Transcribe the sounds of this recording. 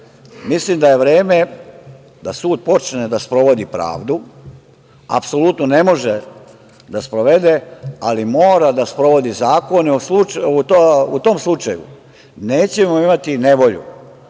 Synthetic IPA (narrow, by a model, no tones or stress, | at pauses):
mislimd̪aje̞ʋɾe̞ːme̞ | d̪asuːd̪̚po̞t͡ʃned̪aspɾo̞ʋo̞d̪ipɾa̰ːʋd̪u | a̰pso̞lut̪none̞mo̞ʒe | d̪aspɾo̞ʋe̞d̪ealimo̞ːɾad̪aspɾo̞ʋo̞d̪izaːko̞neuslut͡ʃut̪out̪o̞mslˠut͡ʃajṵ | ne̞ːt͡ɕe̞moimat̪ine̞ʋo̞ʎṵ